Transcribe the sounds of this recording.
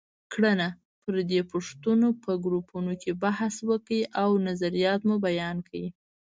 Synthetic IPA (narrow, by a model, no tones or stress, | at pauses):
kɽəna | pəɾd̪epʊʂt̪unopəɡɾupunokʰebahswəkiʔawnazaɾijɑt̪mubajɑnkʰawi